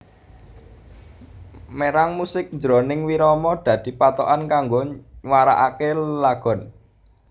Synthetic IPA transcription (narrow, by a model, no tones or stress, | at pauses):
meɾaŋmusɪk̚ɲd͡ʒɾonɪŋwiɾɔmɔd̪̥ä̤d̪̥i̤pat̪oʔankaŋɡowaɾa̰ʔakellaɡ̥ɔ̤n